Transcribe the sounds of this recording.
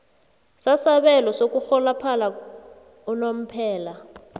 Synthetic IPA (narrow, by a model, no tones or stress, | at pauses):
sasaɓɛlɔsok̬ʼuxɔlapʰala | ɔnom̩pʰɛːla